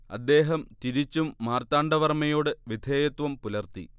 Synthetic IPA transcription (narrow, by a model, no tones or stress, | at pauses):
ɐ̰d̪ːe̞ːɦɐmt̪iɾit͡ɕːumːaːrt̪aːɳɖɐʋɐrmɐjo̞ːɽɨʋid̪ʱeːjɐt̪ʋɐmpulɐrt̪ḭ